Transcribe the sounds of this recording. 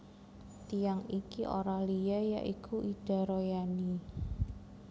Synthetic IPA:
t̪ijaŋikiʔo̰ɾalijaja̰ʔikʰuʔid̥a̤ɾojani

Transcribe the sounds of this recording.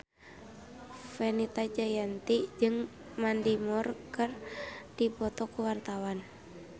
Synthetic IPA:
fenit̪ad͡ʒajant̪id͡ʒɨŋ | mandimɔrkɨrdipɔt̪ɔkuwart̪awan

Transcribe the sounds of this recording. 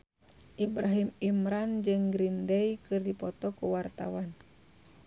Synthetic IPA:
ʔibɾaɦimimɾand͡ʒɨŋɡɾindɛjkɨrdipɔt̪ɔkuwart̪a̰wan

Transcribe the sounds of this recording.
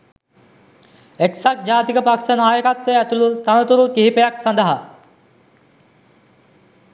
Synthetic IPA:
eksak̚d͡ʑaːt̪ikəpaki̥sanɦaːjkat̪ːeɛt̪ulut̪anət̪uɾukiɦipejaksãnd̪ɐɦa

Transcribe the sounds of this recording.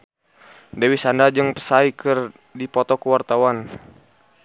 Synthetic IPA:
dɛwisandad͡ʒɨŋpə̥saikɨr | dipɔt̪ɔkəwart̪awan

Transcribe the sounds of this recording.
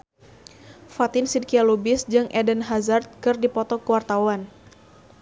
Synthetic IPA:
fat̪ɪnsid̚kialubɪsd͡ʒɨŋʔɛdənɦazart̪̚kɨrdipɔt̪ɔkəwart̪awan

